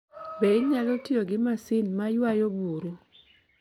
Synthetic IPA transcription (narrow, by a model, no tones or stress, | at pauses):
beiɲalɔtioɡɪmasɪnmajwajobuɾu